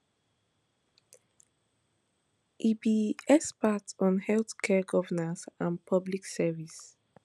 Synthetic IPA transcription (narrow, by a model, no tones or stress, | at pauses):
ʔibiɛspatɔ̃nhɛlθkʰɛɡɔvənazãnpʰɔbliksɛvis